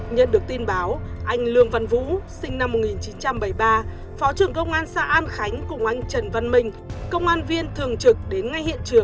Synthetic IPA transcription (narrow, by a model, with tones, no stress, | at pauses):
ɲə̰˧˨nɗɨ˨˩ək̚t̪i˧nɓaː˨˦wʔa˧jŋ̟lɨ˧əŋva˧˩nvṵ˧˥sï˧ŋ̟na˧mːo˨˩t̚ŋi˨˩nt͡ɕi˨˦nt͡ɕa˧mɓə˧˩jɓaː˧ | fɔ˨˦t͡ɕɨ˨˩əŋkə˧wŋ͡mʔaː˧nsa̰ː˧˥ʔaː˧nxa˨˦jŋ̟kʊ˨˩ŋ͡mʔa˧jŋ̟t͡ɕə˨˩nva˧˩nmï˧˩ŋ̟ | kə˧wŋ͡mʔaː˧nvi˧ənt̪ʰɨ˨˩əŋt͡ɕɨ˨˩k̚ɗe˨˦nŋa˧jhḭ˧˨ənt͡ɕɨ˨˩əŋ